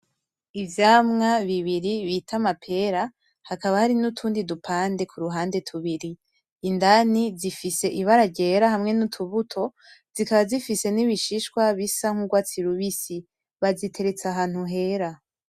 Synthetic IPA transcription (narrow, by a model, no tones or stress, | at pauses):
ivjaːmŋaβiβiɾiβitʰamapʰe̞ɾa | hakaβahaɾinutʰuːndidupʰaːnde̞kʰuɾuɦaːnde̞tʰuβiɾiː | ndanizifise̞ʔiβaɾaɡɟeɾahamŋe̞nutʰuβutʰo̞ | z̥ikaβazifise̞niβiʃiʃkwaβisaŋ̥uɡwat͡siɾuβisi | βazitʰe̞ɾe̞t͡saɦaːn̥huɦe̞ɾa